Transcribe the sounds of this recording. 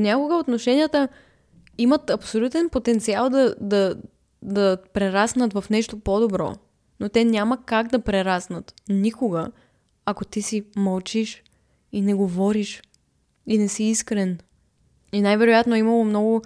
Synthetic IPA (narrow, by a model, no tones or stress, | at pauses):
nʲakʊɡəot̪noʃɛnʲijət̪ə | imət̪ɐpsolʲut̪ɛnpot̪ɛnt̪sialˠd̪ɐd̪ɐ | d̪ɐpɾɛɾasnət̪vɐfnɛʃt̪opod̪obɾɔ̰ | not̪ɛnʲaməkaɡd̪ɐpɾɛɾasnət̪nikoɡə | ɐkot̪isiməlˠt͡ʃiʃ | inɛɡovɔɾiʃ | inɛsiːskɾɛn | inajvɛɾojat̪noɛiməlˠomnɔɡʊ